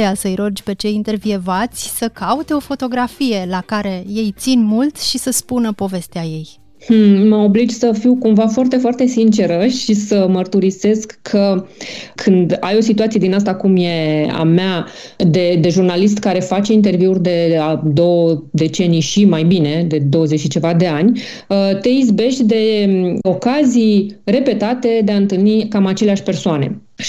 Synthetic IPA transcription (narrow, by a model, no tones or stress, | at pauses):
jasəɨjɾo̞d͡ʒʲpe̞t͡ʃe̞int̪e̞rvievat̪sʲsəkaut̪eo̞fo̞t̪o̞ɡɾafije̞lakaɾe̞je̞jt̪sinmult̪ʃisəspunəpo̞ve̞st̪eaje̞j | hm̩məo̞blid͡ʒsəfiwkumvafoart̪e̞foart̪e̞sint͡ʃe̞ɾəʃisəmərt̪uɾise̞skkʰːə | kʰɨnd̪a̰jo̞sit̪uat̪sie̞d̪inast̪akumje̞a̰mea | d̪e̞d̪e̞ʒurnalist̪kaɾe̞fat͡ʃe̞int̪e̞rviurʲd̪e̞ad̪o̞wəd̪e̞t͡ʃe̞nijʃimajbine̞d̪e̞d̪o̞wəze̞t͡ʃʃit͡ʃe̞vad̪e̞anʲ | t̪e̞izbe̞ʃt̪ʲd̪e̞o̞kazijre̞pe̞t̪at̪e̞d̪eaɨnt̪ɨlnikamat͡ʃe̞leaʃʲpe̞rsoane̞̰